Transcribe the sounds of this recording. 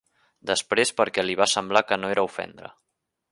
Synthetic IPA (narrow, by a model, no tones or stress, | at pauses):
d̪əspɾespəɾkɛliβ̞asəmblakənoeɾəufɛ̰nd̪ɾə̰